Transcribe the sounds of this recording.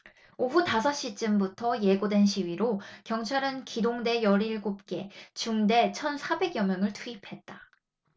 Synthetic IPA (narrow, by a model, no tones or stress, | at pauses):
oɸutas̬ʰʌɕ͈it͡ɕ͈ɯmbutʰʌje̞ɡodwe̞nɕʰiɥiɾokjʌŋt͡ɕʰaɾɯnkidoŋde̞jʌɾiɭɡop̚k͈e̞t͡ɕuŋde̞t͡ɕʰʌnsʰabe̞ɡjʌmjʌŋɯɭtʰuipʰe̞t̚t͈a